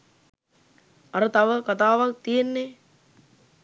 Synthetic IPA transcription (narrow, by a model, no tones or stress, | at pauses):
ɐɾət̪aʋəkat̪aːʋak̚t̪ijenːe